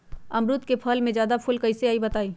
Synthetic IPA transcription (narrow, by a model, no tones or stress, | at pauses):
ɐmɾʊt̪kepʰɐlmẽzjaːd̪apʰʊlkɐɪseaːibɐt̪aːiː